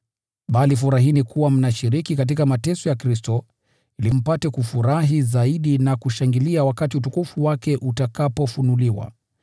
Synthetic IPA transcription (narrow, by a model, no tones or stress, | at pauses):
ɓalifuɾaɦinikʰuwam̩naʃiɾikikat̬ikamatɛsɔjakɾistɔ | ilim̩patɛkufuɾaɦizaiɗinakuʃaŋɡiliawakatiutukufuwakɛʔutakapɔfunuliwa̰